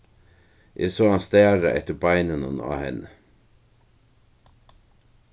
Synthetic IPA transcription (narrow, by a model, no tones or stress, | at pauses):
ʔeːsoːɑnst̪æːɾə̰ʔɛ̰t̪əbɑɪnənʊ̰no̰ːhɛ̰n